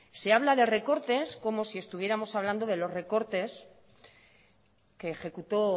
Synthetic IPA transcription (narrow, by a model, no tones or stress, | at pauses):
se̞aβlaðe̞re̞ko̞ɾt̪e̞sko̞mo̞sie̞st̪uβje̞ɾamo̞saβland̪oð̞e̞lo̞zre̞ko̞ɾt̪e̞s | ke̞ːxe̞kut̪o̞